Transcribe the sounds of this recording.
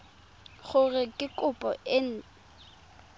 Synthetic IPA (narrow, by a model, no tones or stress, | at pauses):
χʊrɪkʼɪkʼʊpʼɔ̰ɪn̩